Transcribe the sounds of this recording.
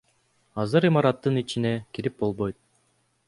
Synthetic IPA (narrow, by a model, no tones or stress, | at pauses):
ɑzɯɾimɑɾɑt̪ːɯnit͡ʃinekiɾip̚bo̞lˠbojt̪̚